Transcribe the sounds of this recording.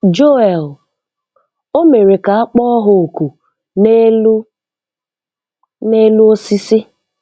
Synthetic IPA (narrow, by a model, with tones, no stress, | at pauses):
d͡ʒo˦ɛ˨l | o˦me˨ɾe˨ka˨a˦k͡pɔ˦ɔ˦ɦʊ˨o˨ku˨ | ne˦lu˦ | ne˦lu˦o˦si˦si˦